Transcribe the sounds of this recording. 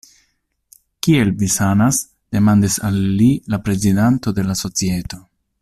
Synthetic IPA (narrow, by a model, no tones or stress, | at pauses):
kie̞lvisanas | d̥e̞mandisa̰lːilapɾe̞zidanto̞de̞laso̞t͡sieto̞